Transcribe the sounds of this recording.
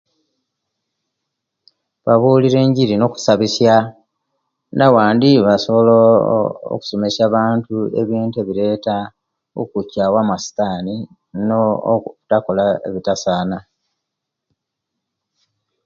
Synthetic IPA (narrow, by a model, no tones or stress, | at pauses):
βaβuːliɾe̞ːɲɟiɾino̞ku̥saβisja | nawaːndiβaso̞βo̞loo̰ku̥so̞me̞saβaːntue̞̰βiːnte̞βiɾe̞ːta | o̰kucawamasi̥taːni | no̰utako̞lae̞̰βitasaːna